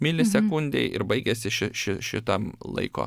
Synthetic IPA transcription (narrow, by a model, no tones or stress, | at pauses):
mʲɪlʲɪsʲɛkʊnʲd̪ʲɛ̰ɪʔɪ̰ɾbɐɪɡʲɛsʲɪʃʲɪʃʲɪʃʲɪt̪ɐmlˠɐ̰ɪko̰ː